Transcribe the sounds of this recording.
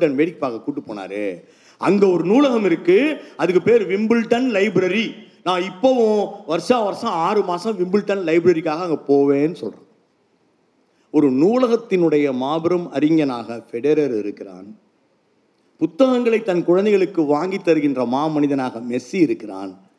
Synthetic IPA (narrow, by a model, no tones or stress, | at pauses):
ʈɐnʋeːɽɪkːɯpːaːɣɐkuːʈːɯpːo̰ːna̰ːɾɯ̰ | ɐŋɡɐɔɾɯnuːlɐɣɐmɪɾɯkːɯɐðɯk̬ːɯpeːɾʋɪmbɪlʈɐnlɐɪbɾɐɾinãːɪpːɐʋʊ̃ʋɐɾʂãːʋɐɾsɐ̃aːɾɯmaːsɐ̃mʋɪmbɪlʈːɐnlɐɪbɾɐɾikaːɣɐːŋɡɐpoːʋeːnːɯsɔ̰lrõ̰ː | ɔɾɯnuːlɐɣɐt̪ːɪnɯɽɐjɐmaːbɪɾɐmɐɾɪŋɡɐnaːɣɐfɛɽɛɾɐɾɪ̰ɾɯkːɪɾa̰ːn | pʊt̪ːɐɣɐŋɡɐɭɐɪt̪ːɐnkʊɻɐnd̪ɐɪɣɐɭɯkːɯʋaːŋɡɪt̪ːɐɾɯɣɪndrɐmaːmɐnɪðɐnaːɣɐmɛsiɪɾɯkːɪɾa̰ːn